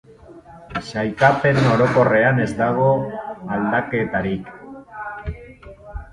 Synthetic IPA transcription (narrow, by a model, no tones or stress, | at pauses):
ʃajkape̞no̞ɾo̞ko̞re̞ane̞zd̪aɣ̞o̞ald̪ake̞t̪aɾik